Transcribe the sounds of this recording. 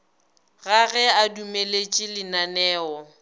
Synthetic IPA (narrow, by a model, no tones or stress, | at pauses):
ɣaɣɛadumelet͡ʃʼɪlɪnanɛːɔ